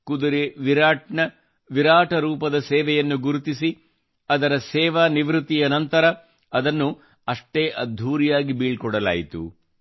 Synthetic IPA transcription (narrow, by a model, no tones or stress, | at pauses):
kud̪uɾeʋiɾaːʈɳɐ | ʋiɾaːʈɐɾuːpɐd̪ɐsɛːʋɛjɐnːuɡuɾut̪isi | ɐd̪ɐɾɐsɛːʋaːniʋɾut̪ːijɐnɐnt̪ɐɾɐ | ɐd̪ɐnːu | ɐʂʈeːʔɐd̪ʱːuːɾijaːɡibiːɭkɔɽɐla̰ːjit̪ṵ